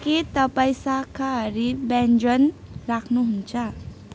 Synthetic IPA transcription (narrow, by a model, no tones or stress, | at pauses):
ket̪ʌpaĩsakʰaɦʌɾibɛnd͡ʒʌn | ɾakʰnuɦunt͡sʰʌ